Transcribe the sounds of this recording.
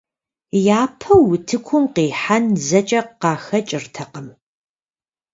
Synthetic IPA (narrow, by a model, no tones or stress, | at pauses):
jaːpʰɐwʊtʰɨkʷʰʊmqeːħanzɐt͡ʃʼɐqqɑːxɐt͡ʃʼɪrtʰɐqəm